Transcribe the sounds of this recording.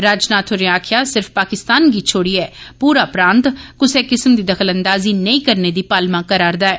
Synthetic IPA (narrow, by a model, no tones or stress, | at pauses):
ɾaːd͡ʒnaːt̪ʰʊɾeaːkʰɪjaːsɪɾfʰpaːkɪst̪aːnɡiːt͡ʃʰoːɽiːɛːpuːɾaːpɾãːnt̪kʊseːkɪsmd̪iːd̪əkʰələnd̪aːziːnəĩːkəɾneːd̪iːpaːlmãːkəɾaːɾd̪aːɛː